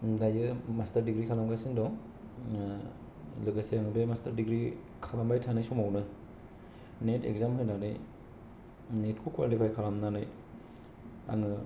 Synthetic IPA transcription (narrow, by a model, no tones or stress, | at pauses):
dajɯmastɐɾdiɡɾikʰalamɡasindɔ | lɯɡaseaŋɯbemastaɾdiɡɾi | kʰalambajtʰanɯjsumawnɯ | netḛk̚zamɦɯnanɯj | net̚kʰukwa̰lipʰajkʰalamnanɯj | a̰ŋɯ